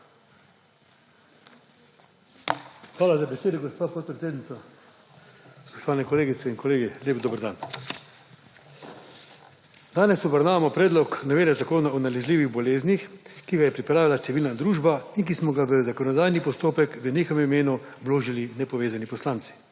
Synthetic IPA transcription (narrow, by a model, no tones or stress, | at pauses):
xʋaːlazabeseːd̪ɔɡɔspaːpɔt̪̚pɾet̪seːd̪nit̪sa | spɔ̥ʃt̪ɔʋaːnɛkɔleːɡit̪sɛinkɔleːɡilʲeːbd̪oːbəɾd̪a̰ːn | d̪aːnɛsubəɾnaːʋamɔpɾɛːd̪lɔknɔʋeːnɛzakoːnaɔnalɛzliːʋiɣbɔleːznixkiɡajɛpɾipɾaːʋilat̪siʋilnad̪ɾuːʒbaiŋkismɔɡaʋəzakɔnɔd̪aːjnipɔst̪oːpɛkʋəneːxɔɛmimeːnubloːʒilinɛpɔʋeːzanipɔslaːnsi̥